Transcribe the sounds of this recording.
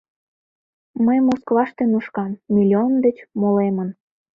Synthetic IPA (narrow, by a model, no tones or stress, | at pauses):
məjmoskvɑʃt̪enuʃkɑnmʲilʲiond̪et͡ɕmolemən